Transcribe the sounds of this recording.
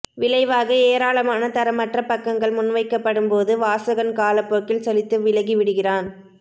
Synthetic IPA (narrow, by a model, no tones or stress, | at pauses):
ʋɪlɐɪʋaːɣɐeːɾaːlɐmaːnɐt̪ɐɾɐmɐʈrɐpɐkːɐŋɡɐɭmʊnʋɐɪkːɐpːɐɽɯmpoːðɯʋaːsɐɣɐnkaːlɐpːoːkːɪlsɐlɪt̪ːɯʋɪlɐɣiʋɪɽɯɣɪraːn